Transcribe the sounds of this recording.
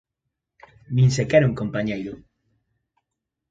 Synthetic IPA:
mĩnsekeɾuŋkompaɲejɾʊ

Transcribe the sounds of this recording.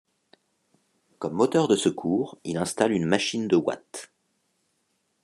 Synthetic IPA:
kɔmːot̪œʁd̪əsəkʰuːʁilɛ̃st̪alynmaʃind̪əwa̰t̪

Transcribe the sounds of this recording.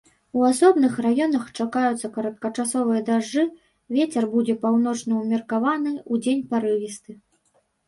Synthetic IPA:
uasɔbnɨxrajɔnɐxt͡ʂakajut̪sːɐkɐɾɐt̪̚kɐt͡ʂasɔvɨjɐd̪aʐːɨ | vʲet͡sʲɛrbud͡zʲɛpawn̪ɔt͡ʂnɐumʲirkavanɨud͡zʲenʲpaɾɨvʲist̪ɨ

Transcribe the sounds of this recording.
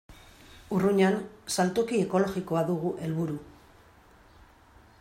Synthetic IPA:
uruɲansalt̪okie̞ko̞lo̞ɣiko̞aðuɣuʔe̞lβuɾu

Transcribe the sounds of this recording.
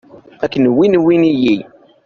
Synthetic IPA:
ækːənwinwiniji

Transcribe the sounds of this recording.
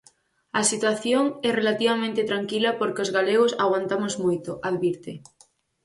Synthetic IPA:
ɐsit̪waθjoŋɛrelat̪iβamẽnt̪ɪt̪ɾaŋkilɐpoɾkɪozɣaleɣ̞osaɣwant̪amozmojt̪oʔaðβiɾt̪ɪ

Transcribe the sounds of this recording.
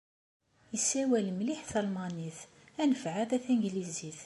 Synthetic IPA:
əsːæwælmliħθɑlmɑniθ | ænəfʕad̪æθæŋɡliziθ

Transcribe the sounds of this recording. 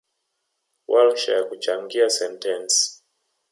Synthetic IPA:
wʔalʃa̰jakut͡ʃaŋɡiasɛntɛns

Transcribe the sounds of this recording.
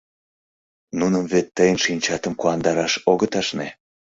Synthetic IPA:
nunəmvet̪ːəjənʃinʲt͡ɕɑt̪əmkuɑnd̪ɑɾɑʃoɣət̪ɑʃne

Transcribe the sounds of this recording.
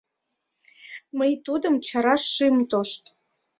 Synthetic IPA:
məjt̪ud̪əmt͡ɕɑɾɑʃːɨmt̪oʃt̪

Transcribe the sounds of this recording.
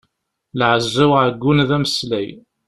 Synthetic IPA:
lʕəzːæwʕəɡːunðæməslæj

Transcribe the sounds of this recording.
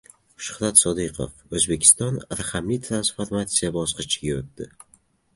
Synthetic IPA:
ʊ̥ʃʊ̥χɾat̪sɒd̪iqʰo̰fɵzbe̞kʲʰɪ̥st̪ɒnɾaχamlijt̪ʰɾansfoɾmat̪sijabɒsqɨt͡ʃʰɡ̥ʲɪɾʊt̪̚ːd̪ɪ

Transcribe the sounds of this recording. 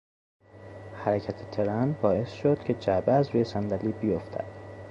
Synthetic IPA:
hæɾecʰæt̪ʰet̪ʰeɾænbɒːe̞sʃod̪̥cʰe̞d͡ʒæbeæzɾuːjesænd̪æliːbijoft̪ʰæ̰d̪̥

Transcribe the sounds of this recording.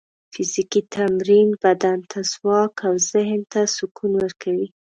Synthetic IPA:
fɪzikit̪ʰamɾinbad̪ant̪ʰazwɑkʰawzɪhnt̪asʊkunwəɾkʰawi

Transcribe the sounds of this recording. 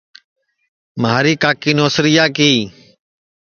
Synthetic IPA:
maːɾiːkaːkiːnoːsɾɪjaːkiː

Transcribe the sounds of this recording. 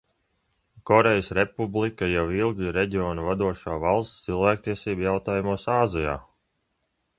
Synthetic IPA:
kɔɾejəsɾepublˠikajawilˠɡʲiɾeɟʲiɔːnuvad̪uɔʃaːvalˠst̪t̪silˠvæːk̚t̪iɛsiːbjawt̪aːjumuɔsaːzija̰ː

